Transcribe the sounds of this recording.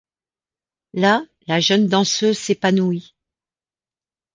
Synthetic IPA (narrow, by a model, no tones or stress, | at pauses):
la | laʒənd̪ɑ̃søzsepanui